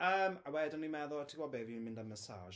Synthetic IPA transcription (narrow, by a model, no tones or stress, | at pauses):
əːmawɛdɔnimɛðɔtʰiɡwɔbevjnmɪ̃ndaməsa̰ːʒ